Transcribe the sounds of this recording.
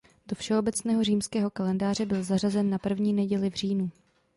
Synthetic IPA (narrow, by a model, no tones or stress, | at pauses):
do̞fʃɛo̞bɛt͡snɛːɦo̞r̝iːmskɛːɦo̞kalɛndaːr̝ɛbɪlzar̝azɛnːapr̩vɲiːnɛɟɛlɪvr̝iːnu